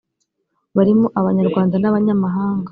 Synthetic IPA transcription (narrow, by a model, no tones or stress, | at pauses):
βaɾimoʔaβaɲaɾɡwaːndanaβaɲamaɦaːŋɡa